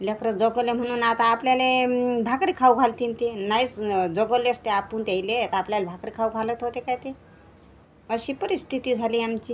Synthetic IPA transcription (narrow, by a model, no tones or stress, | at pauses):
lʲjakəɾət͡sd͡zɔɡəlem̤əɽ̃uːnat̪aːpljalebʱakɾikʰawɡʱalt̪int̪enait͡sd͡zɔɡəleəst̪eapunt̪eilet̪apljalebʱakɾikʰawɡʱalət̪ɦot̪ekajt̪e | əɕiːpəɾist̪ʰit̪iːd͡zʱaliːamt͡ɕiː